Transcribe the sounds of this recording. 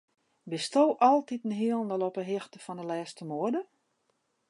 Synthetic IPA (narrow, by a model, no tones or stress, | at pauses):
bɪstowʔɔlˠtitn̩ɦiəlˠəndəlˠɔpəɦɪxtəfɔndəlɛːstəmoədə